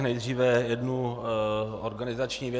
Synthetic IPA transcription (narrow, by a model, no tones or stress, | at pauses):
nɛjd̪r̝iːvɛjɛdnu | oɾɡanɪzat͡ʃɲiːvjɛ